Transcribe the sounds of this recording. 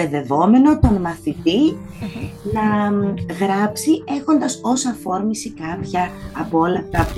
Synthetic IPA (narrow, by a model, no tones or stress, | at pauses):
eðe̞vo̞me̞no̞t̪o̞nmɐθit̪i | nɐɣɾɐpsie̞xo̞nd̪ɐso̞sɐfo̞ɾmisikɐpçɐːpoo̞lɐft̪ɐp